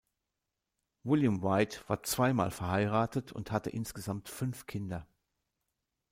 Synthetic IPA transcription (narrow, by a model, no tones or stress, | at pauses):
vɪljʊmʁaɪtv̥aːɐt͡sv̥aɪma̰ːlfɛɐhaɪʁaːtətʰʊ̰nthatəʔɪnsɡ̥əzamtfʏnfkʰɪndɐ